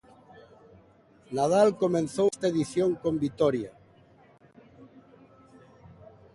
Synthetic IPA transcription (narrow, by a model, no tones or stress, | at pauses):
naðalkomẽnθowst̪aeðiθjoŋkombit̪ɔɾja